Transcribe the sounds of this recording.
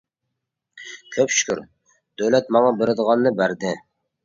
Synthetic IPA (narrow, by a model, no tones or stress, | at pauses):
kʲʰøpʃy̥kʲy̰ɾ | d̪̥øwlɛt̪mɑŋɑbɪɾɪd̪əʁɑnːɨbæɾd̪ɪ